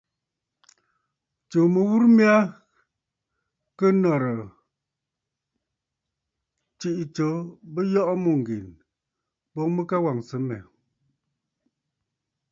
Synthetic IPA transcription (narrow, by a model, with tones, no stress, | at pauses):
t͡ʃo˨mə˨wu˦ɾmja˦ | kə˦nɔ˨ɾə˨ | t͡ʃi˦ʔt͡ʃo˨˦bə˦jɔ˦ʔmu˦˨ŋ˨ɡi˨n | bɔ˦ŋmə˦ka˦wa˨ŋsə˨˦mɛ̰˨